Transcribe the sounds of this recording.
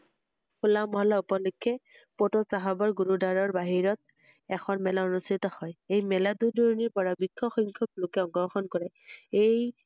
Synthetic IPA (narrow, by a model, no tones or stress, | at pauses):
kʰulamɔɦɔlaupɔlɔkʰːɛ | pɔtɔsaɦabɔɹɡuɹudaɹɔɹbaɦiɹɔt̪̚ | ɛxʰɔnmɛlaonustʰit̪ɔhɔjejmɛladudɔɹniɹpɔɹabikʰːɔxɔŋkʰɔk̚lokɛɔŋɡɔɹxɔnkɔɹɛ | ej